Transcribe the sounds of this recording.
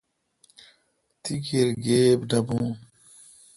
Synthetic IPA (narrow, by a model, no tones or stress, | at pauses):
t̪ikeɾɡeːbɖɐbũː